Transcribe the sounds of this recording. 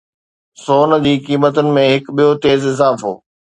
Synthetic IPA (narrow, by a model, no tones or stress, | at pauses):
soːnə̆d͡ʑiːkiːmət̪ʊnɪ̆mẽɦɪkɓijot̪eːzɪzaːfɦo̰ː